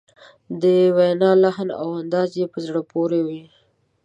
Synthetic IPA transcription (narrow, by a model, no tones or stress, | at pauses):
d̪əwenɑlahna̰wand̪ɑzjepəzɽəpoɾewi